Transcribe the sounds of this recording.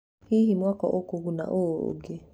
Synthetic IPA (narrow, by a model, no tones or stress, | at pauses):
hihimwakɔ̰ʔokoɣuna̰ʔoo̰ɡe